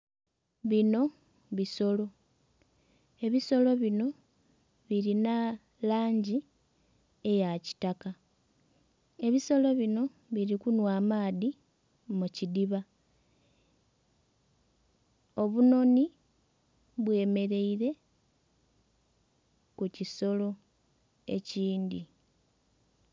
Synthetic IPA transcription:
βino̞ | βiso̞lo̞ | e̞βiso̞lo̞βino̞ | βiɾina | laːɲɟi | ejaci̥taka | e̞βiso̞lo̞βino̞ | βiɾikunwaːmaːði | mucidiβa | o̞βuno̞ni | βwe̞ːme̞ɾe̞iɾe̞ | kuciso̞lo̞ | e̞̰ciːndi

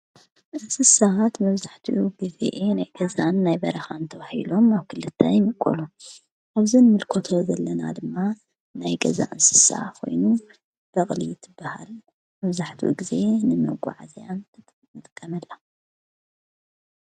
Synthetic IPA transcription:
ʔɨnsɨsahat̪mɐβzaħt̪ʰiʔuɡɨzḛʔenajɡɐzanːajbɐɾɐxant̪ʰɐβahḭlo̞maβkʰɨlɨt̪ʰːajmɨkʼo̰lu | ʔaβzinɨmɨlkʰot̪ʰo̞zɐlːɐna̰d̪ɨmːa | najɡɐza̰ʔɨnsɨ̥sa̰kʰo̞̰jnu | b̥ɐχʼlḭt̪ʰɨbːaha̰l | mɐβzaħt̪ʰḭʔṵɡize̞nɨmɐ̰ɡʷṵʕazjanʰ | mɨt̪ʼkʼːɐnɐlːa

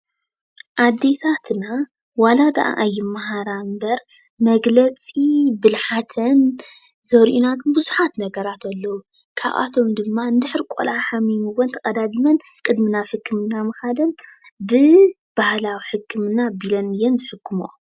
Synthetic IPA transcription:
ʔad̪ːe̞t̪ʰat̪ʰna | walad̪ɐʔa̰ʔajːɪmːaɦaɾambɐɾ | mɐɡlɐt͡sʼibɨlħat̪ʰɐn | zɐɾʔunaɡɨnbɨzuħat̪nɐɡɐɾat̪ʰɐlːɐwu | kʰa̰βʔa̰t̪ʰo̞md̪ɨmːand̪ɨħɾikʷʼo̰laħamimɨwɔnt̪ʰɐkʼɐd̪ad̪imɐnkʼɨd̪mɨnaħɨkːɨmɨnːamɨxad̪ɐnbɨ | b̥ahlawiħɨkʰːɨmɨnabilɐnɨjɛnzɨħɨkʰːɨmum

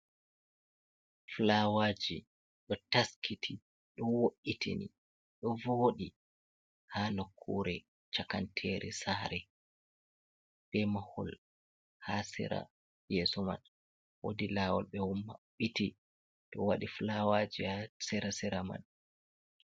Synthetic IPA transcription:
flawad͡ʒi | ɗɔtaskʰitʰi | ɗɔnwoʔːitʰḭnḭ | ɗɔvoːɗi | hanokʰːuɾɛ | t͡ʃakantʰɛɾʔɛ̰saːɾɛ | b̥ɛmahɔ̰l | hasɛ̰ɾa̰ | jɛsɔma̰n | wo̰dilaːwɔlɓɛwumːaɓiti | ɗɔwaɗiflawaːd͡ʒihasɛɾasɛɾama̰n

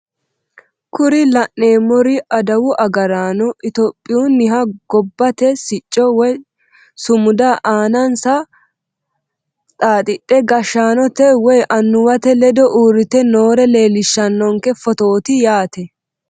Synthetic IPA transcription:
kʊɾɪlɐʔːe̞ːmːɔɾɪɐd̪ɐwʊʔɐɡɐɾaːnɔʔɪt̪ɔpʼːɪjunːɪɦɐɡɔbːɐt̪ɛsɪt͡ʃʼːɔwɔj | sʊmʊd̪aʔaːnɐnsɐ | t̪ʼaːt̪ʼɪɗːɛɡɐʃːaːnɔt̪ɛwɔjʔɐnːʊwɐt̪ɛlɛd̪ɔʔuːɾɪt̪ɛnoːɾɛle̞ːlɪʃːɐnːɔŋkɛfɔt̪o̞ːt̪ɪjaːt̪ɛ

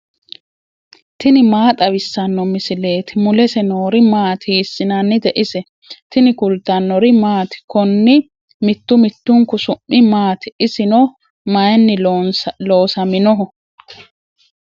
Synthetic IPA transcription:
t̪ɪnɪmaːt̪ʼɐwɪsːɐnːɔmɪsɪle̞ːt̪ɪmʊlɛsɛnoːɾɪmaːt̪iːsːɪnanːɪd̪ɛʔɪsɛ | t̪ɪnɪkʊlt̪ːɐnːɔɾɪmaːt̪ɪ̥kɔnːɪ | mɪt̪ːʊmɪt̪ːʊŋkːʊsʊmːɪmaːt̪ʔɪsɪnɔ | mɐjɛnːɪlo̞ːsɐmɪnɔɦɔ

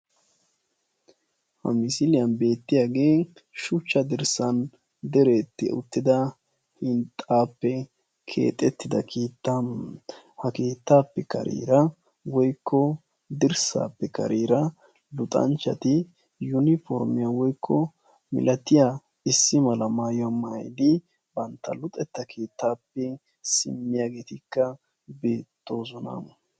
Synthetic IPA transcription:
hɐ̰mɪsɪlɪjɐnbe̞ːt̪ːɪjaɡeː | ʃʊt͡ʃːɐd̪ɪɾsɐn | d̪ɛɾe̞ːt̪ːɪ̰ʊ̰t̪ːɪd̪ɐ | hɪnt̪ʼːaːpːɛ | kʰḛːt̪ʼɛt̪ːɪd̪ɐkʰiːt̪ːam | hɐkiːt̪ːaːpːɛkɐ̰ɾʔḭːɾɐ | wɔjkʰːɔ | d̪ɪɾsa̰ːpːɛkɐ̰ɾiːɾɐ | lʊt̪ʼɐ̰nt͡ʃːɐt̪ɪ | jʊnɪfɔɾmɪjawɔjkʰːɔ | mɪ̰lʔɐt̪ɪja | ɪsːɪmɐlɐmaːjɔamɐjd̪ɪ | bɐnt̪ːɐ̰lʊt̪ʼɛt̪ːɐkʰiːt̪ːaːpːɛ | sɪ̰mːɪjaːɡeːt̪ɪkːɐ | beːt̪ːo̞ːzɔna̰ːm

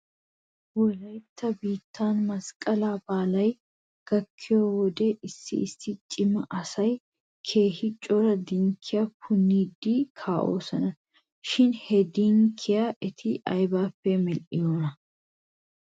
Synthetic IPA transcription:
wɔlɐjt̪ʰːɐbiːt̪ːaːnmɐskʼːɐlaːbaːlɐj | ɡ̥ɐkʰːɪjoːwɔd̪ɛʔɪsːɪ̰ɪsːɪt͡ʃʼɪmɐʔɐsɐj | kʰe̞ːhɪt͡ʃʼɔɾɐd̪ɪŋkʰːɪjakʰʊnːiːd̪ːɪkʰaːʔo̰ːsɐnɐ | ʃɪnhɛd̪iŋkʰːɪjaʔɛt̪ʰɪʔɐjbaːpːɛmɛlʔɪ̰joːnɐ

